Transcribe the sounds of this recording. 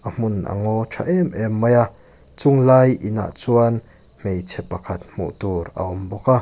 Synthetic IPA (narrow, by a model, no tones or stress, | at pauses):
ʔam̥ʊnʔa̰ŋɔʈ͡ʂʰaʔɛmʔɛmːɐja | t͡sʊŋlajʔina̰ʔt͡suan | mejt͡sʰɛpːɐkʰat̪̚m̥ṵʔt̪uːɾa̰ʔɔmbɔka